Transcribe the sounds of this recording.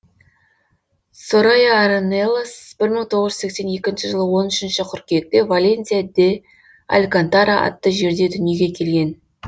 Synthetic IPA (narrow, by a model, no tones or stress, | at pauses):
soɾajaaɾonelˠosb̥ɪɾməŋt̪ʰo̞ʁəʒzsekse̞nje̞kʲɪnʃɪʒəlˠəwo̞nʏʃɪnʃɪqʲʰʏɾkʲek̚t̪e̞valʲe̞nt̪sijad̪e | a̰lʲkant̪aɾaʔɑ̰t̪ːəʒe̞ɾd̪e̞d̪ʏnije̞ɡʲe̞kʲʰe̞lɡʲe̞n